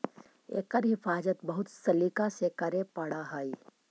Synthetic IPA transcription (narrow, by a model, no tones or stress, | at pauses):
ḛːkəɾɦɪfaːd͡ʒət̪bɐɦʊt̪sɐlikasekɐɾepɐɽaɦəi